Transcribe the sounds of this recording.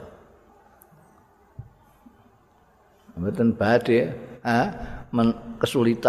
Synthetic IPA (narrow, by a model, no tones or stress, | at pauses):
wet̪ənb̥ad̪̥eamənkəsulit̪a